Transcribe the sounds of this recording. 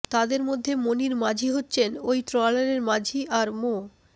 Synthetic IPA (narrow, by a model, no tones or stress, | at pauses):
t̪ad̪eɾmod̪ʱːemoniɾmad͡ʑʱiɦotːɕʰenojʈɾɔlaɾeɾmad͡ʑʱiʔaɾmo